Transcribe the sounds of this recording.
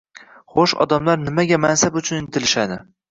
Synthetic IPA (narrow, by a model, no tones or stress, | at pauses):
χoʃɒ̰d̪amlaɾnɪmaɡʲamansabʊt͡ʃʰʊnɪnt̪ʰɪlɪʃad̪ɪ